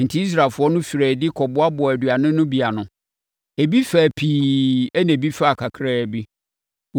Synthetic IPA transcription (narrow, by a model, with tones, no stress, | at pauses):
n̩˨tʰɪ˦i˦s̬ɾa˨fʊ˦ɔ˦nʊ̃˦fi˨ɾɛː˨dɪ˦kʰɔ˨bʊ˦a˦bʊ˨æ˨du˨a˨nʊ̃˦nʊ̃˦bi˨a˨nʊ̃˨ | æ˨bi˦fæ˨pʰiː˨ɛ˦næ̃˨bi˦fa˦a˨kʰa˨kʰɾaː˦˨bi˦ | w